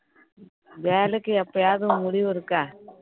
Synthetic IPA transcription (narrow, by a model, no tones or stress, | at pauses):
ʋeːlɯkːɯɛpːɐjaːðɯmʊɽɪʋɯɾɯkːãː